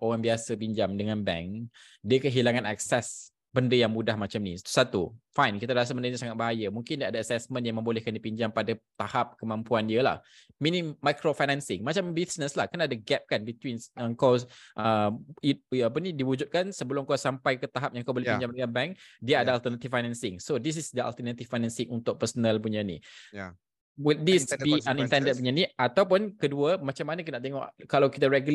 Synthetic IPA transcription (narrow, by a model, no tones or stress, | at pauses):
ʔowaŋbiasəbiɲd͡ʒamdəŋanbɛ̰ŋk | diəkəɦilaŋãna̰k̚sɛs | bəndəjaŋmudahmat͡ʃamnisḁt̪u̥sat̪ufajnkit̪aɾas̬abəndəɲasaŋat̪̚baɦajəmuŋkɪndiaadaːsɛsmə̃njaŋmə̃mbolɛhkandipiɲd͡ʒampadat̪ahap̚kəmãmpuandiəla̰h | minĩmːajkɾofajnɛ̃nsɪŋmat͡ʃambisnəslahkənaːdaɡɛp̚kanbit̪winəŋkaʔəiap̬ənĩdiwud͡ʒut̪̚kansəbəlʊmkawsampajkət̪aɦap̚jãŋkawbolɛhjpid͡ʒamɡanbɛ̃ŋkdiəadaalt̪ənat̪ifajnɛ̃nsɪ̃ŋsodis̬isdəa̰lt̪ənat̪ifːajnɛ̃nsɪ̃ŋunt̪ʊk̚pəsənəlpuɲanḭ | wit̪̚disbianĩnt̪ɛ̃ndət̚puɲaniʔat̪awp̬ʊnkəduəmat͡ʃamːanəkinaʔt̪eŋɔ̰ʔkalawkit̪əɾɛɡul